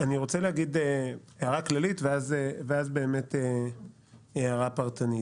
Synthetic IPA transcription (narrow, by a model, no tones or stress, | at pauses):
aniʁo̞t͡selehaɡid̪e | eaʁaklalitveazeveazbe̞ːmet̪e | eaʁapaʁtani